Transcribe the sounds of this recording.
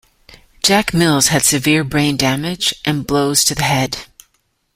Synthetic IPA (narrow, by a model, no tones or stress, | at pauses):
d̥ʒ̥ækmɪlˠz̥ɨd̥sɨvɪɹbɹẽɪ̃ndæmɪd͡ʒʔɨ̃nbloʊz̥tʰɨðɨhɛd̥